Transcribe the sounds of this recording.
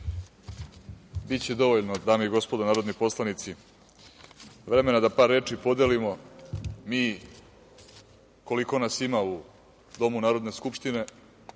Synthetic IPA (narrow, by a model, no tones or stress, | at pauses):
bit̪t͡ɕed̪o̞ʋoʎnod̪aːmoiɡo̞spo̞d̪anaːɾo̞d̪nipo̞slˠanit̪si | ʋɾe̞me̞nad̪apaːɾːe̞ːt͡ʂipo̞d̪elimo̞ | miː | ko̞liko̞nasimau | d̪o̞munaːɾo̞d̪ne̞skupʂt̪ine̞